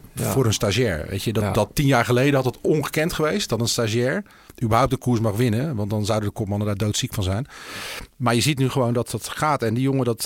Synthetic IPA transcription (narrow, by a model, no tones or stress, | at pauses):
vʊːɾənstaʒɛːɹʋḛjtəddɑtːinjaːɹχəlejdəɑtɑtɔnχəkɛntχəʋejst̚dɑtənstaʒɛːɹ | ybəɹɦawp̚təkuːɹsmɑχʋɪnəʋɑntdɑnzʌwdədəkɔpmɑnədaːdowtsikfɑnzɛjn | maːɹjəzitnyχəʋowndɑtɑtχaːtɛndijoŋədɑt